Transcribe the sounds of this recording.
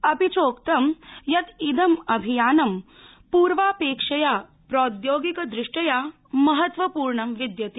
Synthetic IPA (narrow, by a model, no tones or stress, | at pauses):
ɐpit͡soːkt̪ɐmjɐt̪id̪ɐmɐbʱijaːnɐm | puːɾʋaːpeːkʂɐja | pɾoːd̪joːɡikɐd̪ɾiʂʈɐja | mɐɦɐt̪ʋɐpuːɾɳɐmʋid̪jɐt̪i